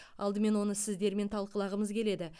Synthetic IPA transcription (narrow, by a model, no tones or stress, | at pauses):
ɑlˠd̪əme̞nwo̞nəsɪzd̪e̞ɾme̞nt̪ʰɑlˠqəlˠɑʁəməzkʲʰe̞le̞d̪ɪ